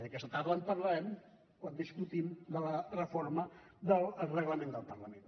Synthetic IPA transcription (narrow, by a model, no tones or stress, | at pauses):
ðəkɛst̪ət̪aɾðəon̚pəɾlɛm | kwand̪iskut̪imd̪ələrəfoɾmə | d̪əlˠrəɣləmend̪əlˠpərləmen